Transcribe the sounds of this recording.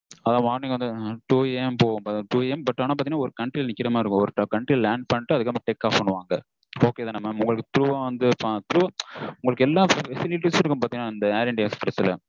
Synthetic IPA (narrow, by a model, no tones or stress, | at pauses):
ɐðãːʋaːnɪkːɐʋɐnd̪ɯʈuːɛmpoːɣmaʈuːɛmbɐʈːaːnãːpaːt̪inːaːɔɾɯkɐɳʈɾiːlnɪkːɪɾɐmaːɪɾɯkːʊ̃ɔɾɯʈɐkɐɳʈɾiːllaːɳɖ̚pɐɳːɪʈːɯɐðɯkːɐmʈekːaːpɐɳːɯʋaːŋɡɐ | oːkeːðaːnɐmːɐʊŋɡɐɭɯkːɯt̪ɪɾɯʋãːʋɐnd̪ɯpat̪ɪɾɯʋãːʊŋɡɐɭɯkːɛlːaːfɛsɪlɪʈːisɪɾɯkːɯmpaːt̪inaːɪnd̪ɐaːɾɛɳɖespɪɾɐsɪlɐ̰